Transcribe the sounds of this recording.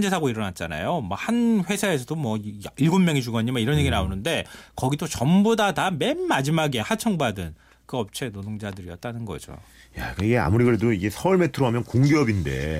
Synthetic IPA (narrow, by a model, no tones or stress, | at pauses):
d͡ʑesʰaɡoiɾʌnat̚t͡ɕ͈ana̰jomʌhanɸwe̞sʰae̞sʰʌdomwʌiɭɡomːjʌŋit͡ɕuɡaɲimaiɾʌnje̞ɡinaonɯnde̞kʌɡidot͡ɕʌmbodatame̞nːad͡ʑimaɡe̞hat͡ɕʰʌŋbadɯn | kɯʌp̚t͡ɕʰe̞nodoŋd͡ʑadɯɾiʌt̚t͈anɯnɡʌ̰d͡ʑo̰ | jak͈aiɡe̞a̰muɾiɡɯɾe̞doiɡe̞sʰʌːɭmetʰɯɾoɦamjʌnkoŋɡeʌbinde̞̰